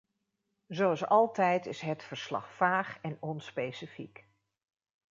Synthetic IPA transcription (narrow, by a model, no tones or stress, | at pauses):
zowɑsɑlˠtɛjtɪsɦətfəɹslɑ̰χfaːχɛnɔnspejsifḭk